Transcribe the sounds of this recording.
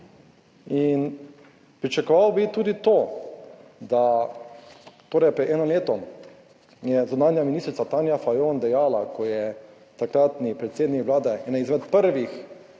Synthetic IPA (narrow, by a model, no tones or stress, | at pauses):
in | pɾit͡ʃakɔʋawbit̪uːd̪it̪oː | d̪a | t̪oːɾɛjpɾɛd̪ɛːnɔmleːt̪ɔm | jɛzunaːnjaminist̪ɾit̪sat̪aːnjafajond̪ɛjaːlakʰɔjɛ | t̪akɾaːt̪nipɾɛt̪seːd̪nikʋlaːd̪ɛʔɛnaizmɛt̪pəɾʋix